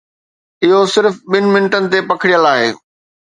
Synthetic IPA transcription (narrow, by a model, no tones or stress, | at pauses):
ɪɦosɪɾfɓɪnɪ̆mɪnəʈənɪ̆t̪̬epɐkʰɪɽijəlaːɦḛː